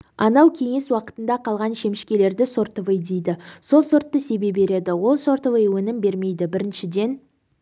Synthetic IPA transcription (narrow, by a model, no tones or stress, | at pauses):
ɑnɑwkʲʰe̞ŋe̞swɑqə̥t̪ənd̪ɑqʰɑlˠʁɑnʃe̞mɪʃkʲe̞le̞ɾd̪ɪso̞ɾt̪əvəjd̪e̞jd̪ɪso̞lˠso̞ɾt̪ːəse̞be̞be̞ɾe̞d̪ɪwo̞lˠso̞ɾt̪əvəjwɵnɪmbe̞ɾme̞jd̪ɪbɪɾɪnʃɪd̪e̞n